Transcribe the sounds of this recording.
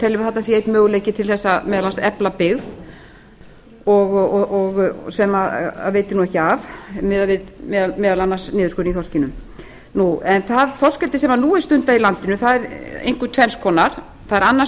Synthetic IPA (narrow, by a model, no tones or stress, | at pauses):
t̪ʰɛlːɪvaθaht̪asjɛejt̪mœːɣleːjcɪt̪ʰɪlθɛsːamɛːðalansɛplapɪɣð | ɔɣɔɔɣsɛmaa̰ðveːjt̪ɪnuɛhcɪavmɪðavet̪mɛðamɛːðalanːḁsnɪːðʏskʏniθɔscinʏm | nuɛnθaðθɔscɛlt̪ɪsɛmanuɛɾ̥st̪ʏnt̪ailant̪ɪnʏθaðɛɾḛjŋ̥kʏt̪ʰvɛnskʰɔːnaɾ̥ | θaðɛɾanːa